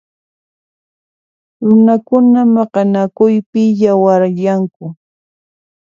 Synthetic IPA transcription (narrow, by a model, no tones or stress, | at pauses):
ɾʊnakʊnamɑqɑnakʊjpɪjawaɾjaŋkʊ